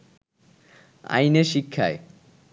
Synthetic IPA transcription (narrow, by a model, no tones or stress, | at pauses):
a̰jneʃikʰːae